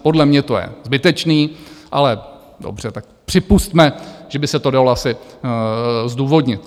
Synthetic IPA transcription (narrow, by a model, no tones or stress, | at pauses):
po̞dlɛmɲɛt̪ojɛ̰zbɪt̪ɛt͡ʃniːʔa̰lɛ | do̰br̝̥ɛt̪ak̚pr̝̥ɪpust̪mɛʒ̥ɛbɪsɛt̪o̞daloasɪ | zduːvo̞dɲɪt̪